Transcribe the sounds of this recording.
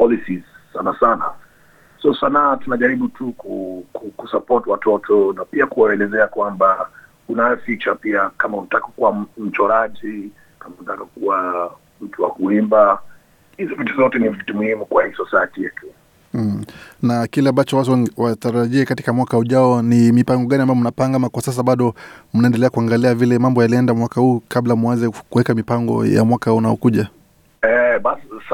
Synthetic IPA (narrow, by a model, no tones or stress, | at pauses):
pɔlisizsanasana̰ | sɔsanatunaʄaɾiɓutʰukukukusapɔtiwatɔtʰɔnapiakuwaɛlɛzɛakwamba | unaɛfit͡ʃapiakamautakɔ̥kuwam̩t͡ʃɔɾat͡ʃi | kamautakakuwa | m̩tuwa̰huimba | hizɔpitizɔtɛnivitimuhimukwahisɔsatiɛkɛ | nakilɛambat͡ʃɔwatwataɾaʄiɛkati̥kamwakahuʄaɔnimipaŋɡɔɠaniambajɔm̩napaŋɡamakwasas̬aɓaɗɔm̩naɛndɛlɛakuaŋɡaliavilɛmambɔjaliɛndamwakahuːkablamuwazɛkuwɛkamipaŋɡɔ̰ja̰mwakahunaɔkuʄa | ɛɓasis